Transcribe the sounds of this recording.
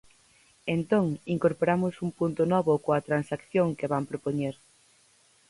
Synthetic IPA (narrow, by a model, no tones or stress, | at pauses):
ent̪oŋiŋkoɾpoɾamʊsuŋpunt̪ʊnɔβʊkoɐt̪ɾansakθjoŋkeβampɾopoɲeɾ